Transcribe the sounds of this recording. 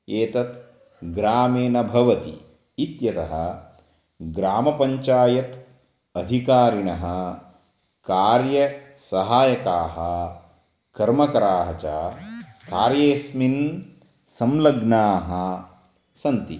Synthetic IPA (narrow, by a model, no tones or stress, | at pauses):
eːt̪ɐt̪ | ɡɾaːmeːnɐbʱɐʋɐt̪ḭː | t̪jɐt̪ɐɦɐ̰̆ | ɡɾaːmɐpɐɲt͡ʃaːjɐt̪ | ɐd̪ʱikaːɾiɳɐɦɐ̆ | kaːɾjɐ | sɐɦaːjɐkaːɦɐ | kɐɾmɐkɐɾaːɦɐt͡ʃaːkaːɾjeːsmin | sɐmlɐɡnaːɦɐ | sɐnt̪i